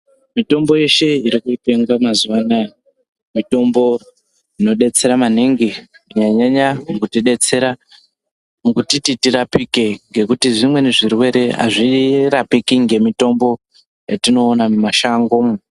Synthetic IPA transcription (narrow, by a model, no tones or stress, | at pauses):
mito̞mbo̞je̞ʃe̞iɾikuipe̞ŋɡamazuʋana | mito̞mbo̞ | ino̞ɗe̞t͡se̞ɾamaniŋɡi | muɲaɲaɲamukutiɗe̞t͡se̞ɾa | mukutititiɾapike̞ŋɡe̞kutiʐimwe̞neʐirwe̞ɾe̞ɦa̰ʐirapikiŋɡe̞mito̞mbo̞ | jatino̞ːnamaʃaŋɡom